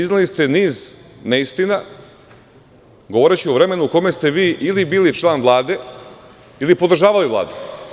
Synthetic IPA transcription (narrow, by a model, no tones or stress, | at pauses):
iznalist̪e̞niːzneist̪ina | ɡoʋoɾet͡ɕioʋɾe̞me̞nuko̞me̞st̪e̞ʋiːʔilibiːlit͡ʃlˠaːnʋlˠaːd̪e̞ | ilipo̞d̪ɾ̩ʒaːʋaliʋla̰ːd̪e